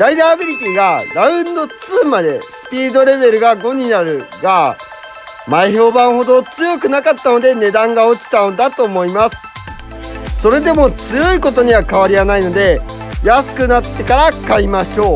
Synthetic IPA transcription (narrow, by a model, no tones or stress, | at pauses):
ɾaid̪aːbʲiɾʲit̪ʲiɡaɾaɯ̟̃nd̪o̞t͡sɨːmad̪e̞sɨ̥pʲiːd̪o̞ɾe̞be̞ɾɯ̟ɡaɡo̞ɲ̟inaɾɯ̟ɡa | maiço̞ːbãɰ̃ho̞d̪o̞t͡sɨjo̞kɯ̟nakat̪ːano̞d̪e̞ne̞d̪ãŋɡao̞t͡ɕi̥t̪aod̪at̪o̞ːmo̞imasɨ̥ | so̞ɾe̞d̪e̞mo̞t͡sɨjo̞iko̞t̪o̞ɲ̟iβakaβ̞aɾʲianaino̞d̪e̞jasɨ̥kɯ̟nat̪ːe̞kaɾakaimaɕo̞ː